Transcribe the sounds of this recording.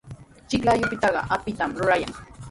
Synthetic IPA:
t͡ʃɪklajʊpɪt̪ɑɢɑ̰ʔapɪt̪amɾʊɾaja̰ŋ

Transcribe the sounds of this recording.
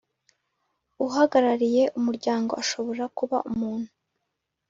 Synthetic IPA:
uɦaɡaɾaɾije̞ʔumuɾɟaːŋɡo̞aʃo̞βo̞ɾakuβa̰ʔumuːn̥hu

